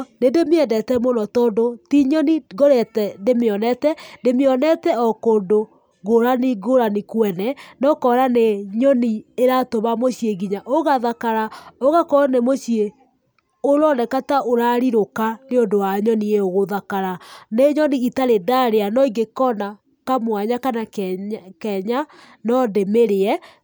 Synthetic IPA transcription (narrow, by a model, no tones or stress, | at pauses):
nendemeɛdɛtɛmonɔtɔːndotiɲɔniɣoɾɛtɛdemeɔnɛtɛndemeɔnɛtɛɔkoːndo | ɣoɾaniɣoɾanikwɛnɛnɔkɔɾaneɲɔnieɾatomamoɕieɣiɲaʔoɣaðakaɾaoɣakɔnemoɕie | oɾɔnɛkataʔoɾaɾiɾokaneondowaɲɔnieoɣoðakaɾaneɲɔniitaɾedaɾeanɔiɡekɔna | kamwaɲakanakkɛɲa | nɔdemeɾeɛ